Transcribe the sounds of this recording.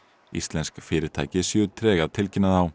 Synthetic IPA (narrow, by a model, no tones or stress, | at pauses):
ḭst̪lɛnskfɪːɾɪt̪ʰaːjcɪsjʏːt̪ʰɾɛːɣaðt̪ʰɪlcɪnaðaw